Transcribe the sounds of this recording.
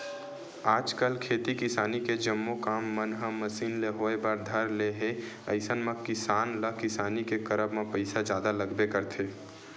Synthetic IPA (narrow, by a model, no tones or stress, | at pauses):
aːd͡ʒkəlkʰeːt̪ikɪsaːniked͡ʒəmːokaːmːənɦəːəsiːnleɦoebaɾd̪ʱəɾleɦeə̰ɪsənmãkɪsaːnləkɪsaːnikekəɾəbmẽpəɪsad͡ʒjaːd̪aləɡbekəɾt̪ʰeː